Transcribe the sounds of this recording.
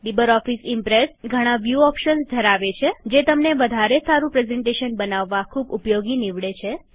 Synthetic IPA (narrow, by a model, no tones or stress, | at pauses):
libəɾɔfisimpɾesɡʱəɽ̃ãʋjuɔpʃənsd̪ʱəɾaʋet͡ʃʰed͡ʒet̪əmneʋəd̪ʱaɾesaɾũpɾezɛɳʈeʃənbənaʋːakʰubupjoɡiniʋɭet͡ʃʰe